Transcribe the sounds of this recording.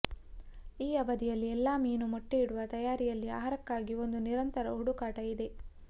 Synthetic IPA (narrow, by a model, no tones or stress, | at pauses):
iːɐbɐd̪ijɐlːiɛlːaːmiːnumoʈːiiɽuʋɐt̪ɐjaːɾijɐlːia̰ːɦɐɾɐkːaːɡio̞nd̪uniɾɐnt̪ɐɾɐ̰ɦuɽukaːʈɐid̪e̞